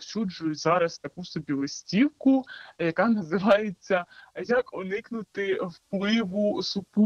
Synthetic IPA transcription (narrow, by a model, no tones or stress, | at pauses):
sʲud͡ʒʊjʊtʲzɑɾɐst̪ɐkusɔbʲilˠɔsʲtʲiwkʊjɐkɑnɐzɪʋɑjet͡sʲːɐjɐkɔnɪknʊt̪ɪwplˠɪʋʊsʊpu